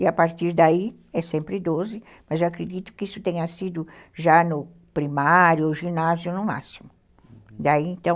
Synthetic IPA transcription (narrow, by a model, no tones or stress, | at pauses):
ɪapaɾt̪iɾd̪ai | ɛsẽmpɾɪd̪ozɪ | mɐzewakɾed̪it̪ʊ̥kɪisʊ̥t̪ẽɲɐsid̪ʊʒanʊ | pɾimaɾjʊoʒinazjʊnʊma̰simʊ | d̪aiẽnt̪ɐ̃w̃